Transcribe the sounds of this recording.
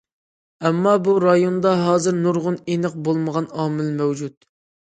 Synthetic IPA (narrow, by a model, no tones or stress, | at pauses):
ɛmːɑbuɾɑjond̪ɑɦɑːzɨɾnuɾʁʊnenəq̚bolˠməʁɑnɑːmɪlmɛwd͡ʒut̪̚